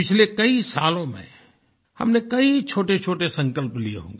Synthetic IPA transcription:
pɪt͡ʃʰlekɐisaːlõmḛ̃ | hɐ̰mnekɐit͡ʃʰoːʈet͡ʃʰoːʈesɐ̃ŋkəlpliḛɦõ̰ːŋɡeː

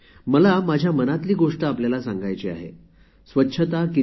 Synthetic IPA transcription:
məlamad͡ʑʱjamənat̪liːɡoʂʈəapljalasaŋɡajt͡ɕeːa̰ɦḛ | sʋətːɕʰət̪aki

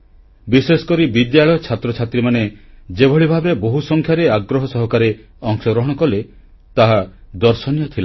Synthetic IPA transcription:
bisesɔ̥kɔɾibid̪jaɭɔjɔt͡ʃʰat̪ɾɔt͡ʃʰat̪ɾimaned͡ʒebʱɔɭibʱabɔɾeboɦusɔŋkʰjaɾeaɡɾɔɦɔsɔɦɔkaɾe | ɔŋsɔɡɾɔɦɔɽ̃ɔkɔle | t̪aɦad̪ɔɾsɔnjɔt̪ʰila

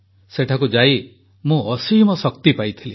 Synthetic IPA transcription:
seʈʰak̬ud͡ʒaji | mũɔsimɔsɔkt̪ipajt̪ʰili

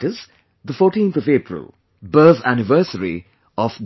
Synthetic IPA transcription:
ɪz | d̪əfɔːɾʈĩːnt̪ʰɔveːpɾɪ̰lˠ | bəðænɪʋəːsəɾḭ | ɔf

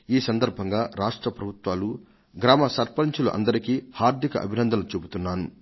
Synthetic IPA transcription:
iːsɐnd̪ɐɾbʱɐŋɡaːɾaːʂʈɾɐpɾɐbʱut̪ʋaːlu | ɡɾaːmɐsɐɾpɐɾiɲt͡ʃulṵʔɐ̰nd̪ɐɾikiːhaːɾd̪ʱikɐ̰ʔɐ̰bʱinɐnd̪ʱɐlut͡ʃebut̪unːaːnu

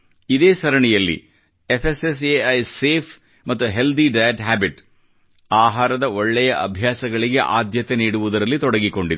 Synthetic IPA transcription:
id̪eːsɐɾɐɳɛjɐlːḭ | epʰeses̬eɐjseːpʰ | mɐt̪ːuɦe̞ld̪iɖɐjɐʈɦaːbiʈ | aːɦaːɾɐd̪ɐoɭːɛjɐʔɐbʱjaːsɐɡɐɭiɡe̞̰ʔaːd̪jɐt̪eniːɽuʋud̪ɐɾɐlːit̪ɔɽɐɡiko̞ɳɖid̪

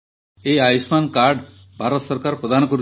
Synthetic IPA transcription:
eajismankaɾɖ | bʱaɾɔt̪sɔɾkaɾpɾɔd̪ʱanɔkɔɾu

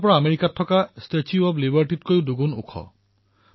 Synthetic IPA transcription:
pɔɹaːmeɹikatʰːɔkastet͡ʃuɔblibaɹʈit̚kojʊduɡunṵkʰɔ̰

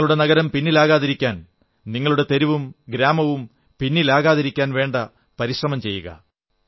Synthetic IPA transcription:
ɐɭuɽe̞nɐɣɐɾɐmpinːilaːɣaːðiɾikʲːaːn | niŋːɐɭuɽe̞t̪e̞ɾuʋumɡɾaːmɐʋum | pinːilaːɣaːðiɾikʲːaːnʋe̞ːɳɖɐ | pɐɾiɕrɐmɐmt͡ɕe̞jːuɣɐ̰

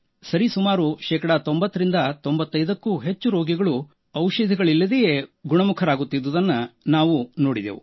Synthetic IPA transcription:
sɐɾisumaːɾuʃɛːkɐɽɐt̪ombɐt̪ːɐɾind̪ɐt̪o̞mbɐt̪ːɐjd̪ɐkːuːɦe̞t͡ʃːuɾoːɡiɡɐɭu | ɐwʃɐd̪ʱiɡɐɭilːɐd̪ejeɡuɳɐmukʰɐɾaːɡut̪ːid̪ʋud̪ɐnːɐnaːʋuno̞ːɽid̪eːʋṵ

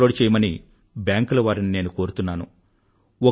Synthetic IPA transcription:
o̞ːɽt͡ʃɛːjɐmɐni | bjaːŋklɐʋaːɾinine̞ːnuko̞ːɾut̪unːaːnṵ | o

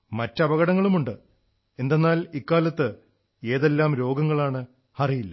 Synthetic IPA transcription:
mɐtːɐbɐɣɐɽɐŋːɐɭumuɳɖɨ | e̞nd̪e̞nːaːlikːaːlɐt̪ːɨ | e̞ːðe̞lːaːmɾo̞ːɡɐŋːɐɭaːɳɨ | hɐrijilːɐ

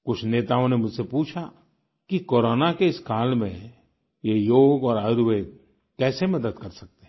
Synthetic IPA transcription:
kʊt͡ʃʰneːt̪aːõnemʊd͡ʒsepuːt͡ʃʰa | kikoːɾoːnakeɪskaːlmḛ̃ | jejoːɡɔːɾaɾʋe | kɛːsemɐd̪əd̪kɐɾsɐk̚t̪e

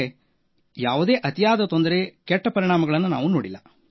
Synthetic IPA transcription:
e | jaːʋud̪e̞ːʔɐt̪ijaːd̪ɐt̪o̞nd̪ɐɾe̞kɛʈːɐpɐɾiɳaːmɐɡɐɭɐnːuna̰ːʋunoːɽilːɐ

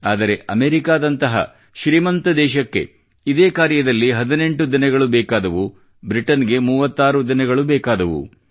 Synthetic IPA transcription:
aːd̪ɐɾe̞ʔɐmeːɾikaːd̪ɐnt̪ɐɦɐ̰ | ʃɾiːmɐnt̪ɐd̪ɛːʃɐkːe̞̰ | id̪eːkaːɾjɐd̪ɐlːiɦɐd̪ine̞ɳʈud̪inɐɡɐɭubɛːkaːd̪ɐʋu | bɾiʈɐnɡe̞muːʋɐt̪ːaːɾud̪inɐɡɐɭubɛːkaːd̪ɐʋṵ

